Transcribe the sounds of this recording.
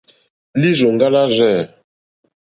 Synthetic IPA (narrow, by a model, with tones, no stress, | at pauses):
li˦zo˨ŋɡa˦la˦zɛ˦˨